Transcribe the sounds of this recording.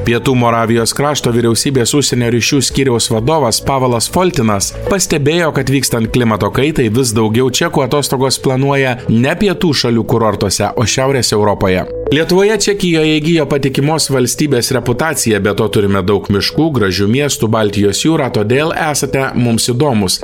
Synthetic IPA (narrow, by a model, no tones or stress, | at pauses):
pʲiɛt̪uːmoːɾɑːʋʲɪjoːskɾɑːʃt̪oːʋʲiɾʲɛʊsʲiːbʲeːsʊʃʲsʲɛnʲoːɾʲɪʃʲuːsʲkʲiːɾʲɛʊsʋɐd̪oːʋɐspɑːʋɐlˠɐsfɔlʲt̪ʲɪnɐspɐsʲt̪ʲɛbʲeːjoːkɐt̪ʲʋʲiːkst̪ɐnt̪̚klʲɪmɐt̪oːkɐɪt̪ɐɪʋʲɪsd̪ɐʊɡʲɛʊt͡ʃʲɛkuːɐt̪oːst̪oːɡoːsplˠɐnuɔjɛnʲɛɐpʲiɛt̪uːʃɐlʲuːkʊɾoːɾt̪uɔsʲɛ̰ʔoːʃʲæʊɾʲeːsɛʊɾopoːjɛ̰lʲiɛt̪ʊʋoːjɛt͡ʃʲɛkʲɪjoːjɛɡʲijoːpɐt̪ʲɪkʲɪmoːsʋɐlʲsʲt̪ʲiːbʲeːsɾʲɛpʊt̪ɑːt̪sʲɪjɛbʲɛt̪oːt̪ʊɾʲɪmʲɛd̪ɐʊkmʲɪʃkuːɡɾɐʒʲumʲiɛst̪ubɑːlʲt̪ʲɪjoːsjuːɾɑːt̪oːd̪ʲeːlˠæːsɐt̪ʲɛmʊmsɪd̪oːmʊs